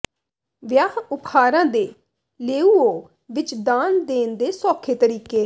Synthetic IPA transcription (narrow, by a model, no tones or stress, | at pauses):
ʋjaːɦʊpʰaːɾãːd̪eː | leːuːoː | ʋɪt͡ʃd̪aːnd̪eːnd̪eːsɔːkʰeːt̪əɾiːkeː